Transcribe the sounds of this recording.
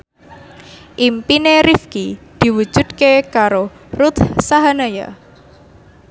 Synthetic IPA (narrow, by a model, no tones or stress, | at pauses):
ʔimpineɾifkid̪̥i̤wud̥ʒ̥ṳd̪̥̚kekaɾorut̪saɦanaja̰